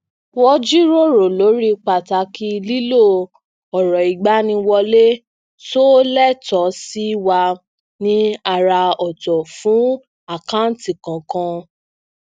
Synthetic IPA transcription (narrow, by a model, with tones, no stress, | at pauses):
wɔ˦d͡ʒi˦ɾo˦˨ɾo˨lo˨˦ɾi˦k͡pa˨ta˨˧kʰi˧li˦lo˦˨ | ɔ˨ɾɔ˨i˨ɡ͡ba˨˦nĩ˧wɔ˧le˦ | so˦lɛ˦˨tɔ˨˦si˦i˦wa˧ | nĩ˧a˨ɾa˧ɔ˨tɔ˨fũ˨˦ | a˨kã˦n̩˨ti˨kã˨kã˧